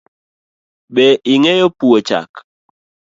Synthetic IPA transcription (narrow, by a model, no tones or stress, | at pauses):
ɓɛʔiŋɛjopuot͡ʃa̰k